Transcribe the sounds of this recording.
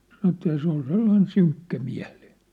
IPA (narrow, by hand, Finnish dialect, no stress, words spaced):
sɑnə̆ etːæ jɑ se ol selːɑin syŋkːæmiæ̝l̥i̥ːn̥